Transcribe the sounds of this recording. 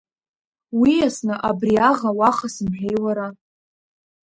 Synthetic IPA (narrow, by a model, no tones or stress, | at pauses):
wiasnɨʔabriaʁawaχasɨmħᶣejwaɾa